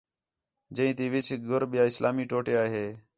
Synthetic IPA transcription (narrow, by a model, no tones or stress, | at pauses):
d͡ʒə̃ĩːt̪iːʋɪt͡ʃʰɡʊɾɓɪjaːɪslʔaːmiːʈoːʈeːaːɦeː